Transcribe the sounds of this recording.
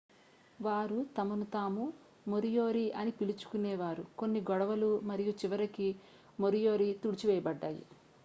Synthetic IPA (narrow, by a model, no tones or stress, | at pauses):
ʋaːɾut̪ɐmɐnut̪aːmu | moɾijo̞ːɾiʔɐnipilut͡ʃu̥kunɛːʋaːɾuko̞nːiɡɔɽɐʋɐlumɐɾijut͡ʃiʋɐɾiki | moɾijo̞ːɾit̪uɽit͡ʃiʋɛjɐbɐɖːaːjḭ